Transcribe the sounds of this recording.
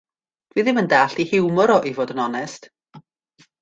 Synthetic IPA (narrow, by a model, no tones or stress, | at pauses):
d̥viːðɪməndaːɬihɪwmɔɾɔʔivoːdənɔnɛst